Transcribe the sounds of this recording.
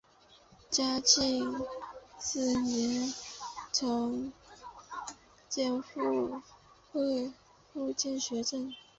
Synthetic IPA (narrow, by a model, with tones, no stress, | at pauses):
t͡ɕja˥t͡ɕi˥˧ŋ | sɹ̩˥˩nɛ˧˥n | t͡sʰʊ˧˥ŋ | t͡ɕjɛ˥˧nfu˥˧ | xwe˥˧ɪ | fu˥˧t͡ɕjɛ˥˩nɕɥɛ˧˥ʈ͡ʂə˥˩n